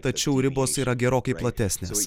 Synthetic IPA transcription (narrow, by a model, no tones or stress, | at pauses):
t̪ɐt͡ʃʲɛʊɾʲɪboːsiːɾɐɡʲɛɾoːkɐɪplˠɐt̪ʲæsʲnʲeːs